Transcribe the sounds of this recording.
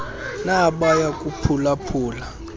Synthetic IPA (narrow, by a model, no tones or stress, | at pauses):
naɓajakʼupʰulapʰuːla